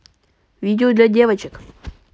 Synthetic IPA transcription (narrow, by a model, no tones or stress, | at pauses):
vʲidʲɪʊd̪lʲadʲevɐt͡ɕɪk